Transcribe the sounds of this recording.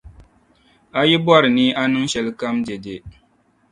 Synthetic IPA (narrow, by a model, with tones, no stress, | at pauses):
a˦ji˦bɔ˦ɾɨ˨niː˦ʔa˦nɨ˦ŋ˦ʃɛ˨lɨ˦ka˦md͡ʒe˨de˨